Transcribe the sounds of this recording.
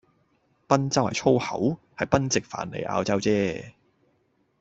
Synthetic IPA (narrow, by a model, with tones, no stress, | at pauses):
pɐ˥nt͡sɐ˥whɐ˨jt͡ʃʰo˥whɐ˨˥w | hɐ˨jpɐ˥nt͡sɪ˨k̚fa̰ː˨˩nlḛ˨jʔa̰ː˧wt͡sɐ˥wt͡sɛː˥